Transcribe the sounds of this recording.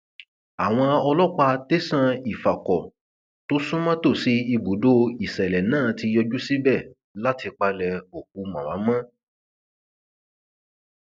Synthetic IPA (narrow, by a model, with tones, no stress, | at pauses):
a˨w̃ɔ̃˧ɔ˧lɔ˦k͡pa˧te˦sã˦˧i˨fa˨kɔ˨ | to˦sũ˦mã˦to˦˨si˨˦i˧ɡ͡bu˨˦do˦i˨sɛ˨lɛ˨nãː˦˨˦ti˧jɔ˧d͡ʒu˦si˦bɛ˦˨ | la˦ti˧k͡pa˧lɛ˧o˨k̚ũ˨˧mã˨a˨˦mã˦